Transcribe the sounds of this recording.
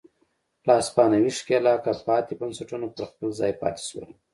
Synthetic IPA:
lɑːspɑːnawiʂkelɑːkapɑːt̪ibansaʈunopəɾxpəlzɑːjpɑ̰ːt̪i̥ʃwa̰

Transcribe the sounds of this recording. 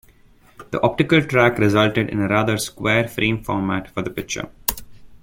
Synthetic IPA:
d̪̥ə̰ʔɔp̚ʈɪkəlʈɾækɾɪzʌlʈeɖɪ̰̃nəɾaːd̪əɾskweːɾfɾʔĩːmfɔːɾmæʈfɔɾd̪əpɪk̚t͡ʃə̰ɾ

